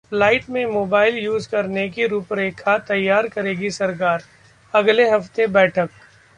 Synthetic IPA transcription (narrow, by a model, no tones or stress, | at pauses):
flaːɪʈmẽmoːbaːɪljuːzkɐɾnekiɾuːpɾeːkʰat̪ɐjːaːɾkɐɾeːɡisɐɾk̬aːɾ | ɐɡleɦɐft̪ebɛːʈʰək̚